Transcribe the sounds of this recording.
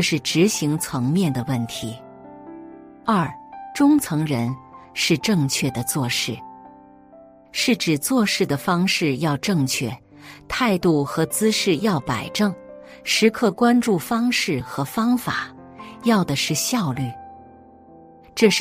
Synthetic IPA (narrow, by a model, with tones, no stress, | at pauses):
ɤ˥˧ʂɻ̩˥˩ʈ͡ʂɻ̩˧˥ɕi˧˥ŋt͡sʰɤ˧˥ŋmjɛ˥˩nd̪ə˩wə˥˩nt̪ʰi˧˥ | ɐ˞˥˩ʈ͡ʂʊ˥ŋt͡sʰɤ˧˥ŋɻə˧˥nʂɻ̩˥˧ʈ͡ʂɤ˥˧ŋt͡ɕʰɥɛ˥˩d̪ə˩t͡swɔ˥˧ʂɻ̩˥˩ | ʂɻ̩˥˩ʈ͡ʂɻ̩˨˩t͡swɔ˥˧ʂɻ̩˥˩d̪ə˩fɑ˥ŋʂɻ̩˥˧jɑ˥˧ʊʈ͡ʂɤ˥˧ŋt͡ɕʰɥɛ˥˩ | t̪ʰa˥˧ɪt̪u˥˩xɤ˧˥t͡sɹ̩˥ʂɻ̩˥˧jɑ˥˩ʊpa˨˩ɪʈ͡ʂɤ˥˩ŋ | ʂɻ̩˧˥kʰɤ˥˧kwa˥nʈ͡ʂu˥˩fɑ˥ŋʂɻ̩˥˩xɤ˧˥fɑ˥ŋfa̰˨˩˦ | jɑ˥˩ʊd̪ə˩ʂɻ̩˥˩ɕjɑ˥˧ʊly˥˩ | ʈ͡ʂɤ˥˧ʂ